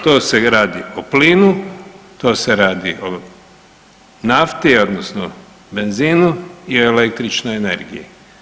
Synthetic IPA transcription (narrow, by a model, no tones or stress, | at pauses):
t̪oːse̞ɾaːd̪iopliːnut̪oːse̞ɾaːd̪iʔo | naft̪io̞d̪nosno̰ | be̞nziːnuioelekt̪ɾit͡ʃnojene̞ɾɡḭji